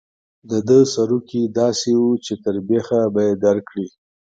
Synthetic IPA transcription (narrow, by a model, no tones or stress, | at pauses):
d̪əd̪əsaɾukid̪ɑsewut͡ʃet̪əɾbexabajed̪aɾkɽi